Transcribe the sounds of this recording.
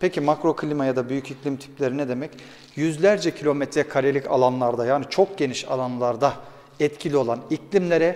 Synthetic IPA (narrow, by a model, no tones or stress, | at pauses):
pʰecʰimakɾo̞kʰɯlʲimajad̪abyjyciclʲimt̪ʰi̥plʲeɾinɛd̪e̞mɛc | jyzlʲæɾd͡ʒɛcʰilʲo̞mɛt̪ʰɾɛkʰaɾelʲica̰lˠanlˠaɾd̪ajaːnit͡ʃʰo̞k̚ɟe̞niʃa̰lˠanlˠaɾd̪a | ɛt̪cʰilʲio̞lˠaniclʲimlʲe̞ɾɛ